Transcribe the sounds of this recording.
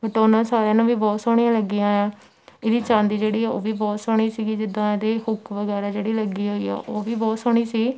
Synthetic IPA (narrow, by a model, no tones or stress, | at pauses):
kəʈoːnãːsaːɾjẽːnãːʋiːbɔːt̪soːɽ̃iːãːləɡijãːɛː | ɪd̪iːt͡ʃãːnd̪iːd͡ʒeːɽiːɛːo̰ːʋiːbɔːt̪soːɽ̃iːsiːɡiːd͡ʒɪd̪ːãːed̪eːxʰʊkʰʋəɡɛːɾaːd͡ʒeːɽiːləɡiːɦoːḭːɛ̰ːʔoːʋiːbɔːt̪soːɽ̃iːsiː